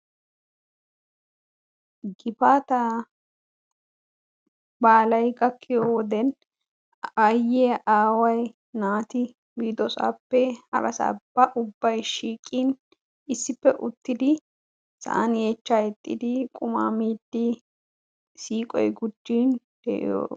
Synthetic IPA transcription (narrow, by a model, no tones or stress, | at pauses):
ɡɪfaːt̪ɐ | baːlɐjɡɐkːɪjoːwɔd̪ɛn | ajːeːʔaːwɐj | naːt̪ɪ | biːd̪ɔsa̰ːpːɛhɐ̰ɾɐsa̰ːb̥ɐʔʊbːɐjʃiːkʼːiːn | ɪsːɪpːɛʔʊt̪ːɪd̪ɪ | sɐ̰ʔɐneːt͡ʃːaːjɛt̪ʼːɪd̪ɪkʼʊma̰ːmiːd̪ːɪ | siːkʼɔ̰jɡʊd͡ʒːiːn | d̪̥ɛ̰ʔɪ̰jo̰ː